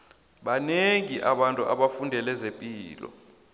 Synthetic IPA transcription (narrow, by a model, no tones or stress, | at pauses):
ɓaneŋiʔaɓantʼuʔaɓafundʱɛlɛzepʼiːlɔ̰